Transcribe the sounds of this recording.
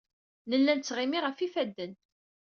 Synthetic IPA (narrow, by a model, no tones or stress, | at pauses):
nəlːænt͡sːʁimiʁəfifæd̪ːən